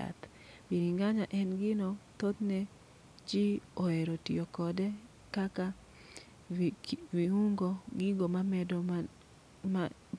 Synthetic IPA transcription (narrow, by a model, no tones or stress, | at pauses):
a̰t̪ | biniŋɡaɲaʔɛnɡɪnɔt̪ot̪ne | t͡ʃioeɾotḭokɔdɛ | kaka | wiuŋɡoɡɪɡomamɛd